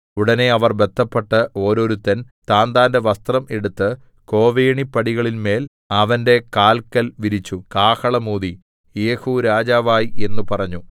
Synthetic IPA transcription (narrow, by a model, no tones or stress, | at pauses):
uɽɐne̞ɐʋɐrbe̞t̪ʰːɐpːeʈːɨʔo̞ːɾo̞ːɾut̪ːɐn | t̪aːnd̪aːnde̞ʋɐst̪rɐme̞ɽut̪ːɨ | ko̞ːʋeːɳipːɐɽiɣɐɭilme̞ːl | ɐʋɐnde̞kaːlkɐlʋiɾit͡ɕːukaːhɐɭɐmuːði | eːhuɾaːd͡ʑaːʋaːjie̞nːupɐrɐɲːu